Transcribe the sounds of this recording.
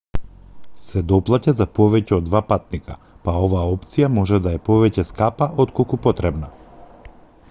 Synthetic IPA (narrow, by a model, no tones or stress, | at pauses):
sɛd̪ɔplˠacazapɔvɛcɛɔd̪ːvapat̪̚nika̰ | paɔvaːɔpt̪sijamɔʒɛd̪aɛpɔvɛcɛskapaʔot̪kolˠkupɔt̪ɾɛbna